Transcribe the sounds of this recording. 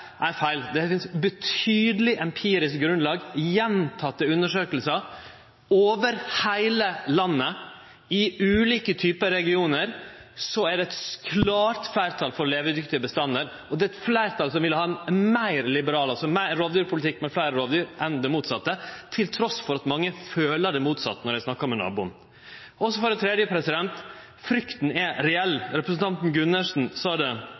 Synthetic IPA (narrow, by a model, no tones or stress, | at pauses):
æɾfæɪld̪ɛfɪnsbət̪ʰyːd̪əlɪʔɛmpʰiːɾɪskɡɾʉnlɑːɡjɛnt̪ʰɑt̪ːəʉnːəʂøːkəlsə | oːʋəɾhæɪləlɑnːə | ɪʉːliːkət̪ʰyːpəɾɛɡɪuːnəɾsɔæɖɛɛt̪skʰlɑːɾt̪flæɪɾt̪ʰɑːlfɔɾleːʋəɾd̪ʏkt̪ɪəbəst̪ɑnːəɾ | ɔd̪ɛːɛt̪flæɪɾt̪ʰɑːlsɔmʋɪlːəhɑːɛnmæɪɾlɪbəɾɑːləɑsɔmæɪɾɔʋd̪yːɾpʰʊlt̪ɪkːmɛflæɪɾəɾɔʋd̪yːɾʔɛnd̪ɛmuːt̪sɑt̪ːət̪ʰɪlt̪ʰɾɔsfɔɾɑt̪mɑŋːəføːləɖɛmuːt̪sɑ̰t̪ːənɔɾæɪsnɑkːəɔmɛnɑ̰ːbʊn | ʔɔsɔfɔɾɛt̪ʰɾɛːd̪jəpʰɾɛsɪd̪ɛnt̪ | fɾʏkt̪n̩ɛɾɛɛlːɾɛpɾəsn̩t̪ʰɑnt̪n̩ɡʉnːəʂn̩sɑːd̪ɛ